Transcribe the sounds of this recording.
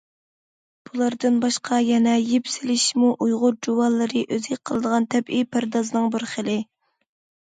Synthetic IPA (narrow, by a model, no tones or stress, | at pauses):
b̥ulˠɑɾd̪ɨnbɑʃqʰɑjɛnɛjepsɪlɪʃmuʔujʁʊɾd͡ʒuwɑlˠːɨɾɨʔøzɪk̚ʲqʰəlˠɨd̪əʁɑnt̪ʰɛbipʰæɾd̪ɑzɨnɨŋbɪɾχəlˠɪ